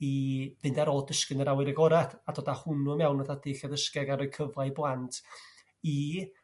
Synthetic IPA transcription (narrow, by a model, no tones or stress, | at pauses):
iðɨndaɾɔdəskɨnəɾawɪɾəɡɔɾaθad̥oːdahʊnuəmɛwnəðad̥ɪɬjaðəskɛɡaɾəkʰəvlˠajblˠantʰ | i